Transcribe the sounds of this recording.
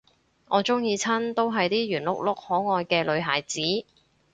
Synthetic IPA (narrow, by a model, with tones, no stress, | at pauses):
ŋʔɔː˨˧t͡sʊ˥ŋjiː˧t͡sʰɐ˥nt̪o˥wɦɐ˨jt̪iː˥jyː˨˩nlʊ̰˥k̚lʊ˥k̚hɔː˨˥ŋɔː˨˧jkɛː˧lɵ˨˧ɥɦa̰ː˨˩jt͡siː˨˥